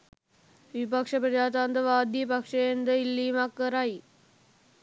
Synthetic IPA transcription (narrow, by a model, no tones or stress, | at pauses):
ʋipakʂəpɾəd͡ʑaːt̪and̪əʋaːd̪ipakʂejend̪əilːiːmakːəɾaj